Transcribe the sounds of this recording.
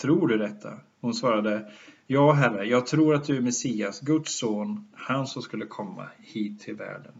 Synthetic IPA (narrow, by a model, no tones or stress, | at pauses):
t̪ʰɾuːɖɵd̪ɛt̪ʰːa̰ | hʊnsvɑːɾad̪ə | jɑːɦærəjɑːɡ̚t̪ʰɾuːɾat̪̚d̪ɵæɾmɛsiːasɡɵt̪soːnhansɔmskɵlːəkʰɔmːa̰hiːt̪ʰːɪlvæ̰ːɖən